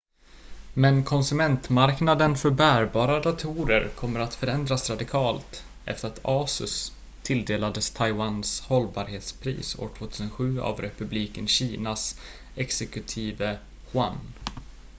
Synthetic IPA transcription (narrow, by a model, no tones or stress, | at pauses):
mɛnkʰɔnsɵmɛnt̪maɾknad̪ənfœɾbæːɾbɑːɾad̪at̪ʰuːɾə̰ɾkʰɔmːəɾat̪fœɾɛnd̪ɾasɾad̪ɪkʰɑːlt̪ | ʔɛ̰ft̪əɾat̪ʰɑːsɵ̰s | t̪ʰːɪld̪eːlad̪əst̪ʰajwanshɔlːbɑːɾheːt̪spʰɾḭːso̰ːʈʰvoːt̪ʰʉːsənɧʉ̟ːa̰vɾɛpɵbliːkənɕiːnas | ɛksɛkɵt̪ʰiːvə | ɧwa̰n